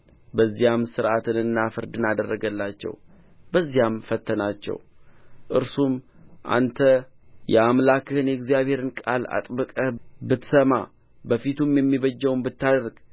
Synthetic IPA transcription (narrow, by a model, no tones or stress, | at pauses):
bəzːijamsɨɾʔat̪ʰɨnɨnːafɨɾd̪ɨnad̪ərːəɡəlːat͡ʃːɛ̰w | bəzːijamfət̪ʰːənat͡ʃːɛ̰wʔɨɾsumʔa̰nt̪ʰəjɛamlakɨhɨnjɛɡzijaβhe̞ɾɨnkʼa̰la̰t̪ʼbəkʼəbɨt̪səma | bəfit̪ʰumjɛmːiβəd͡ʒːɛwmbɨt̪ːad̪əɾɡ